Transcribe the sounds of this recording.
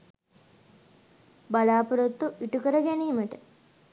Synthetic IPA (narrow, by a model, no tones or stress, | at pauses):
balaːpuɾot̪ːuʔiʈukəɾəɡæniːməʈə